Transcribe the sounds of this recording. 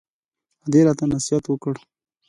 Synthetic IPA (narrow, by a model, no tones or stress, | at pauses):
ad̪eɾɑt̪anasijat̪wəkəɽ